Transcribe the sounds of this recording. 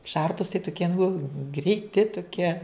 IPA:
ˈʃɐrpʊs tɐɪ tʊˈkʲiɛ nʊ ɡrʲɛɪˈtʲɪ tʊˈkʲiɛ

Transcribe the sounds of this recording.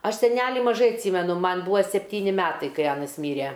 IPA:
ˈɐʃ sʲɛˈnʲæːlʲɪ mɐˈʒɐɪ ɐtʲˈsʲiːmʲɛnʊ ˈmɐn ˈbʊʋɐ sʲɛpʲˈtʲiːnʲɪ ˈmʲæːtɐɪ kɐɪ ˈɑːnɐs ˈmʲiːrʲɛ

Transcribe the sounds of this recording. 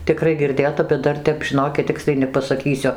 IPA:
tʲɪˈkrɐɪ ɡʲɪrʲˈdʲeːtɐ bʲɛt ˈdɐr ˈtʲɛp ʒʲɪˈnoːkʲɪt ˈtʲɪksʲlʲɛɪ nʲɛpɐsɐˈkʲiːsʲʊ

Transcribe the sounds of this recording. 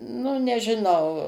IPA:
nʊ nʲɛʒʲɪˈnɐʊ

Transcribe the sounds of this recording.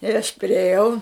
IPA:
ɪr ɐʃ pʲrʲɪeːˈjɛʊ

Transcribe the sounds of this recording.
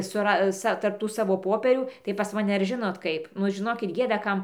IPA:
sʊˈrɐs ˈsɐ tɐrp ˈtuː sɐˈʋoː ˈpoːpʲiɛrʲuː tɐɪ pɐs mɐˈnʲɛ ɐr ˈʒʲɪnoːt ˈkɐɪp ˈnʊ ʒʲɪˈnoːkʲɪt ˈɡʲeːdɐ ˈkɐm

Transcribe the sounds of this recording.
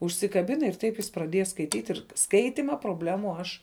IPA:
ʊʃʲsʲɪkɐˈbʲɪnɐ ɪr ˈtɐɪp jɪs prɐˈdʲiɛjɛ skɐɪˈtʲiːtʲ ɪr ˈskɐɪtʲɪmɐ proːbʲˈlʲæːmʊ ˈɐʃ

